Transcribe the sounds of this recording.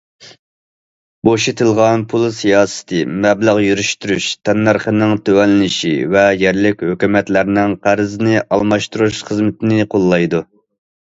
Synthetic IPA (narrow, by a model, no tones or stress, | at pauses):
boʃet̪ʰɨlˠʁɑnpʰulˠsijɑːsɨ̥t̪ʰɨmɛbləʁjyɾyʃt̪yɾyʃt̪ʰɛnːæɾχənɪŋt̪ʰøwɛnlːɪnɪʃḭvɛjɛɾlɪkʲhøkʲymɛt̪læɾnɪŋqʰæɾzɪnɪʔɑlˠmɑʃt̪uɾuʃχəzmɪt̪ʰɪnɪqʰolˠːɑjd̪u